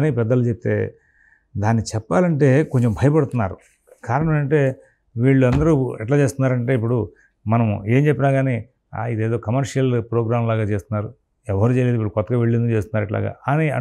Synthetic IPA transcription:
nipɛd̪ːɐlut͡ʃep̚t̪ḛː | d̪aːnːit͡ʃɛpːaːlɐɳʈeːkoɲt͡ʃembʱɐjɐpɐɽut̪unːaːɾu | kaːɾɐɳɐmmɐɳʈe̞ː | ʋiːɭːuɐnd̪ɐɾuɛʈlaːt͡ʃe̞ːst̪unːaːɾɐɳʈe̞ːip̬ːuɽu | mɐnɐme̞ːmt͡ʃepːinaːɡaːniː | a̰id̪eːd̪o̞ːkɐmɐɾʂijɐlpɾoːɡɾaːmlaːɡaːt͡ʃe̞ːst̪unːaːɾu | ɛʋɐɾuːt͡ʃejled̪uʋiːɭukɔt̪ːɐɡaʋeɭːind̪ut͡ʃeːst̪unːaːɾɛʈla̰ːɡa̰ːniɐ̰

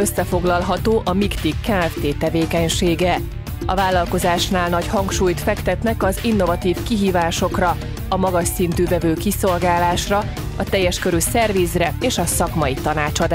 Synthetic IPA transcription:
ø̞sːɛfo̞ɡlɒlɦɒt̪oːʔɒmikt̪ikːɛɛft̪eːt̪ɛveːkɛɲʃeːɡɛ | ɒ̰vaːlːɒlko̞zaːʃnaːlnɒɟhɒŋkʃuːjt̪fɛkt̪ɛt̪nɛkɒzinːo̞vɒt̪iːfkiɦiːvaːʃo̞krɒ | ɒmɒɡɒʃsint̪yːvɛvøːkiso̞lɡaːlaːʃrɒ | ɒt̪ɛjːɛʃkøɾysɛrvizrɛeːʃɒsɒkmɒit̪ɒnaːt͡ʃɒd̪a

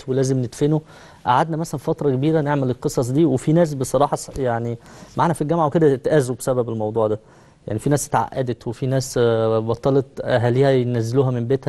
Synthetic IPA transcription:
welæːzemned̪feno | ʔaʕad̪næmæsælænfɑt̪ɾˤɑkebiːɾæneʕmelelqesˤɑs̬ˤd̪iːwefinæːs̬besˤɑɾˤɑːħɑsjaʕnimaʕanæfilɡæmʕaweked̪æt̪ʔæːzwubesæbæbelmɑwd̪ˤuːʕd̪æ | ja̰ʕnifinæːst̪ʕa̰ʔːæd̪et̪wefinæːsbɑt̪ˤːɑːlet̪ʔæɦæːliːhæenæzːeluːhæmembæːt̪hæ

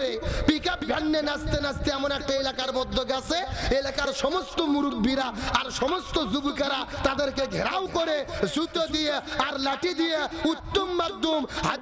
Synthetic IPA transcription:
ɾepikapbʱanːenast̪enast̪eɛmonɛk̚ʈaelakaɾbɔd̪ʱːoɡasʰeelakaɾʃɔmost̪omuɾukbʱiɾaaɾʃɔmost̪ozubukaɾat̪ad̪eɾkeɡʱɛɾawkoɾesut̪od̪ijeaɾlaʈid̪ijeut̪ːomːad̪ʱːomɦa

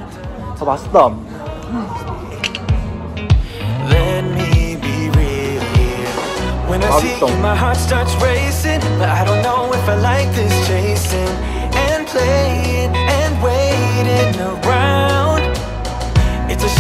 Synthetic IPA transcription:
tʰɔbastʌ̃m | lɛt̚mibiɹɪlˠ | wə̃namaɪɦɑɹtstɑɹtsɹeɪsɪ̃ŋaɪdɾõʊ̃nːoʊɪfaɪlaɪk̚ðɪst͡ʃʰeɪsɪ̃ŋ | ɨ̃npʰl̥eɪ | ɪ̃ŋɨ̃nweɪɾɪ̃nðəɡɹaʊʊ̃nd̥ | ɨtsɨ

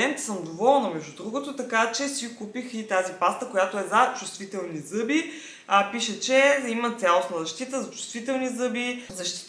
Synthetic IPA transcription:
ɛnt̪sɤmd̪ovɔlˠnəmɛʒd̪ud̪ɾuɡot̪ot̪ɐkat͡ʃɛsikupixit̪azipast̪əkojat̪oɛzɐt͡ʃust̪vit̪ɛlˠnizɤbi | piʃət͡ʃɛimət̪sʲjalˠosnəzɐʃt̪it̪əzɐt͡ʃʊ̥st̪vit̪ɛlˠnizɤbizɐʃt̪

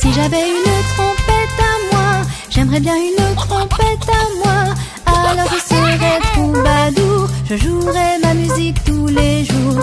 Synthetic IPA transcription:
siʒavɛynt̪χɔ̃pɛt̪amwaʒ̥ɛmʁɛbjɛ̃ynət̪χɔ̃pɛt̪amwa | alɔʁəsiəvɛt̪ubad̪uʒəʒuʁɛmamyzik̚t̪uleʒuːʁ

